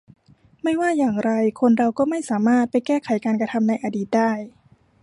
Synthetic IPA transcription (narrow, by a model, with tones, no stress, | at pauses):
ma˥˩jwaː˥˩jaː˨˩ŋɾa˧jkʰo˧nɾa˧wkɔː˥˩ma˥˩jsaː˩˦maː˥˩t̪̚pa˧jkɛː˥˩kʰa˨˩˦jkaː˧nka˧t̪ʰa˧mna˧jʔa˧diː˨˩t̪̚daː˥˩j